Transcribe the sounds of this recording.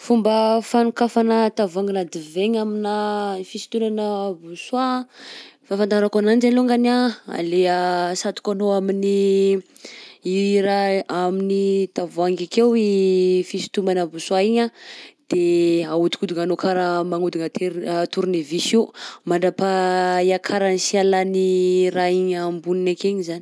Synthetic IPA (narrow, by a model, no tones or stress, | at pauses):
fumbəfanukafanət̪avaŋɡinad̪iveɲaminafisi̥t̪unanəbuswa | fafant̪aɾakanand͡ʒaloŋɡanaa̰leəsat̪u̥kanoamini | iɾaaminid̪avuaŋɡakewifisi̥t̪umanəbuswaiɲad̪̥eaut̪i̥kud̪uŋanokaɾəmaŋud̪uŋat̪ʰeɾt̪uɾunevisimaɳɖ͡ʐapaiakʰaɾanisialaniraiɲambuninakeɲizani